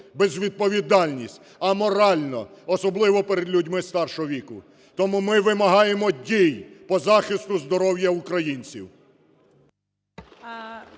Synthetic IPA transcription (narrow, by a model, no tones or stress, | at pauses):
bezʋʲid̪̚pɔʋʲid̪ɑlʲnʲisʲtʲ | ɐmɔɾɑlʲnɔ̰ɔsɔblˠɪʋɔpɛɾed̪lʲʊdʲmɪst̪ɑrʃɔɦɔʋʲikʊ̰ | t̪ɔmumɪʋɪmɐɦɑjemɔdʲijpɔzɑxɪst̪ʊzd̪ɔɾɔwjɐukɾɐjinʲt͡sʲiw